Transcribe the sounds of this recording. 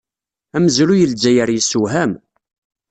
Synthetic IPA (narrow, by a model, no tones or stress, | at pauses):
æməzlujəld͡ʒæjəɾjisːuɦæm